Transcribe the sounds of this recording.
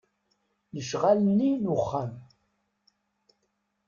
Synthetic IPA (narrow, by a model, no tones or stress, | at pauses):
nəʃʁalnːinuχːam